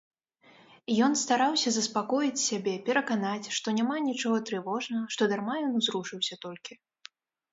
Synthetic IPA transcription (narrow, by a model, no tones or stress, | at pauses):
jɔnst̪aɾawsʲɐzɐspakɔjit͡sʲsʲabʲɛpʲɛɾɐkanat͡sʲʂt̪ɔnʲamanʲit͡ʂɔɣɐt̪ɾɨvɔʐnɐɣɐʂt̪ɔd̪armajɔnuzɾuʂɨwsʲɐt̪ɔlʲkʲi